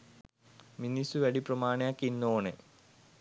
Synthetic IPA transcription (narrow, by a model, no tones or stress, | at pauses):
minisuʋɐɽiprɐmaːɳɐjaːkːinːoːɳe